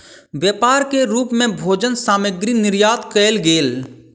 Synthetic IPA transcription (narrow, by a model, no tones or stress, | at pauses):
ʋjəpaːɾkeɾuːpmẽbʱoːd͡ʒənsaːməɡɾinɪɾjaːt̪kəɪlɡeːl